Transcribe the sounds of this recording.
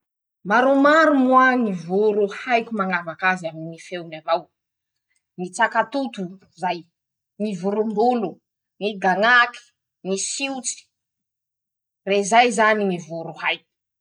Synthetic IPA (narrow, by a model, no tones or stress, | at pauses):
maɾumaɾumuaŋivuɾuhajkʲumaŋavakaziaminifewnamaw | nit͡sakat̪ut̪u | zaj | ŋivuɾumbulu | niɡaŋaki̥ | nisiut͡si̥ | rezajzanimivuɾuhajkʲu̥